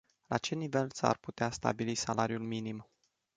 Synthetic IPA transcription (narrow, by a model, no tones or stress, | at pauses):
lʔa̰t͡ʃe̞nive̞lsa̰rput̪east̪a̰bilisalaɾijulminim